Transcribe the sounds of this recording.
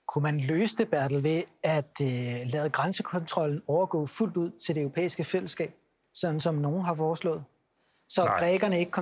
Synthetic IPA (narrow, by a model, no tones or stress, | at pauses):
kʰumænløːsəd̥e̝b̥æɐ̰d̥l̩ʋe̝æd̥lɛːð̞̩ˠɡ̥ʁansəkʰɒ̽nt͡sʰʁɒ̽l̰n̩ɒʊɐɡ̥ɔ̰ːful̰d̥uð̰ˠt͡sʰe̝ld̥eøʊʁo̝pʰḛːisɡ̥əfel̰əsɡ̥ɛ̰ːb̥̚ | sɒ̽d̥n̩sɒ̽mno̝ːn̩ɦɑ̈fɒːslɔ̰̽ːð̩ˠ | sɒ̽ɡ̥ʁɛɡ̥ɐnəe̝ɡ̥əkʰɒ̽